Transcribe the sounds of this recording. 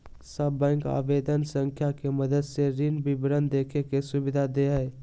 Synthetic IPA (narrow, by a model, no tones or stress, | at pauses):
səbːə̃ŋka̰bed̪ənsəŋkʰjakeməd̪əd̪seɾinbibɾənd̪ekʰekesubid̪ʱad̪eɦəj